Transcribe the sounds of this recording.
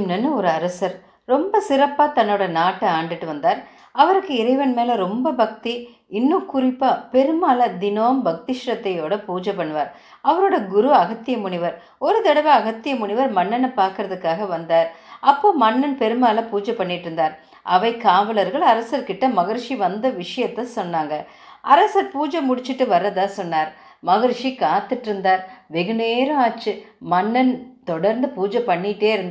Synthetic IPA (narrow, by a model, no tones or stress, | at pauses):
mnɐnːɯɔɾɯɐɾɐsɐɾ | ɾɔmbɐsɪɾɐpːaːt̪ɐnːoːɽɐnaːʈːɯaːɳɖɪʈːɯʋɐnd̪aːɾ | ɐʋɐɾɯkːɯɪɾɐɪʋɐnmeːlɐɾɔmbɐbɐk̚t̪i | ɪnːɯkʊrɪpːaːpɛɾɯmaːlɐd̪ɪnoːmbɐk̚t̪ɪʂɾɐt̪ːɐjoːɽɐpuːd͡ʒɐpːɐɳːɯʋaːɾ | ɐʋɐɾoːɽɐɡʊɾuɐɣɐt̪ːɪjɐmʊɳɪʋɐɾ | ɔɾɯt̪ɐɽɐʋɐɐɣɐt̪ːɪjɐmʊɳɪʋɐɾmɐɳːɐnɐpːaːɾkɯɾɐðɯkːaːɣɐʋɐnd̪aːɾɐpːoːmɐnːɐnpɛɾɯmaːlɐpuːd͡ʒɐpːɐɳːɪʈːɪɾɯnd̪aːɾ | ʔɐʋɐɪkːaːʋɐlɐɾɣɐɭɐɾɐsɐɾkɪʈːɐmɐɣɪɾʂiʋɐnd̪ɐʋɪʂɐjɐt̪ːɐsɔnːaːŋɡɐ | ʔɐɾɐsɐɾpuːd͡ʒɐmʊɽɪt͡ʃːɪʈːɯʋɐɾːɐðãːsɔnːaːɾ | mɐɣɪɾʂikaːt̪ːɯʈːɪɾɯnd̪aːɾʋɛɣɯneːɾɐ̃aːt͡ʃːɯmɐnːɐnt̪ɔɽɐɾnd̪ɯpuːd͡ʒɐpːɐɳːɪʈːeːɪɾɯnd̪